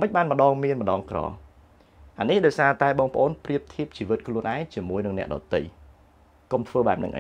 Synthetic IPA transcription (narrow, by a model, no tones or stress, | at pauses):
məc̚ɓaːnmə̆ɗɑːŋmiənməɗɑːŋkrɑ̰ː | ʔanihɗaɔjsaːt̪aɛɓɑːŋpə̆ʔoːnpriəp̚t̪ʰiəp̚t͡ɕiːʋɨt̪̚kʰluənʔaɛŋt͡ɕiəmuəjnɨŋnɛ̆əʔɗɑ̰t̪ɨ̰j | komt̪ʰʋəːɓaɛp̚nɨ̰ŋʔa̰